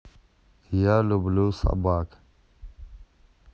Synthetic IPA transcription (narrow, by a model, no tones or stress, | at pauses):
jalublusa̰baːk